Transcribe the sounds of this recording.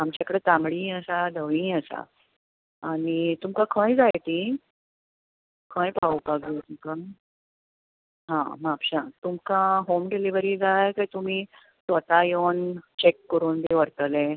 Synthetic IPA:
amt͡ɕjakəɽet̪amɽiːəsad̪ʱəʋĩəsa̰ | aɽ̃it̪umkãkʰə̃jd͡zajt̪ĩ | kʰə̃jpaupaɡot̪umkã | ɦã̰mapɕat̪umkãɦomɖeliʋəɾiːd͡zajkajt̪um̤iː | sʋət̪ajont͡ɕekːəɾuːnd̪eʋəɾt̪əlẽ

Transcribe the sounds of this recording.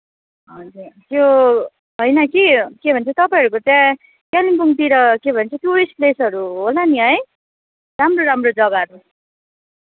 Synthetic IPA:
ɦʌd͡zurt̪jo | ɦʌjnʌkikebʱʌnt͡sʰʌt̪ʌpaj̃ɦʌɾukot̪jã | kalimpuŋt̪iɾʌkebʱʌnt͡sʰʌt̪uɾisplesʌɾuɦolaniɦʌj | ramroɾamrod͡zʌɡaʌɾu

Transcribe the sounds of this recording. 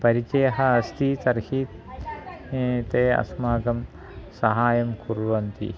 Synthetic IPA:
pɐɾit͡ʃɐjɐɦɐɐst̪ʰit̪ɐɾhiːt̪ | t̪eːɐ̰smaːɡɐm | sɐɦaːjɐmkuɾʋɐnt̪ḭ

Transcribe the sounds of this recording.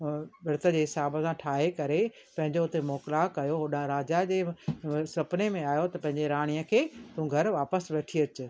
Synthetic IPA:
bɪɾt̪ə̆d͡ʑeːɦɪsaːbəsãʈʰaːɦekɐɾe | pɐ̃ɦɪ̃ɲd͡ʑoʊt̪emoːkɪlakɐjoɦʊɗãɾaːd͡ʑad͡ʑeːsɐpnemẽaːjot̪ɐpɐ̃ɦɪ̃ɲd͡ʑeɾaːɽ̃ijəkʰeːt̪ũɡʱɐɾʋaːpəsʋɛːʈʰiɐt͡ɕʊ̆

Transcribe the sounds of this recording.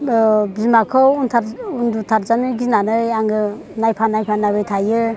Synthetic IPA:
bzimakʰɔuntʰaɾundutʰaɾzanɯɡinanɯjaŋɡɯ | najpʰanajpʰanabɯjtʰajɯ

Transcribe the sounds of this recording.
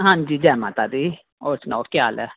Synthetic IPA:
ɦãnd͡ʒiːd͡ʒɛːma̰ːt̪aːd̪iː | oːsno̰ːkɪjaːlɛː

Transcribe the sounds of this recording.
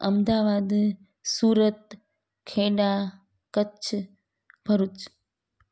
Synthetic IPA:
ə̰md̪aʋad̪ | suːɾət̪ | kʰeɽa | kət͡ʃʰ | bʱəɾut͡ʃ

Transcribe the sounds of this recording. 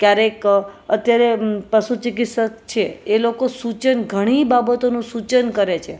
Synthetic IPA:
kjaɾekət̪jaɾepəʃut͡ʃik̬it̪sək̚t͡ʃʰeelokosut͡ʃənɡʱəɽ̃ibabət̪onũsut͡ʃənkəɾet͡ʃʰe

